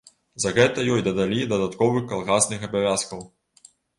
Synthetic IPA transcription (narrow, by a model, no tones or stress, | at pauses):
zɐɣɛt̪ɐjɔjd̪ɐd̪alʲid̪ɐd̪at̪kɔvɨxkːalˠɣasnɨxɐbavʲaskɐw